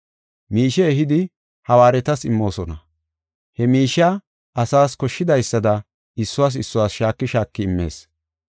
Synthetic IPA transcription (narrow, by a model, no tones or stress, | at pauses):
miːʃɛːhɪd̪ɪ | hɐwaːɾɛt̪ɐsɪmːo̞ːsɔnɐ | hɛmiːʃa | ʔɐsaːskɔʃːɪd̪ɐjsːɐd̪ɐ | ɪsːʊwaːs̬ɪsːʊwaːsʃaːkːɪʃaːkːɪɪmːe̞̰ːs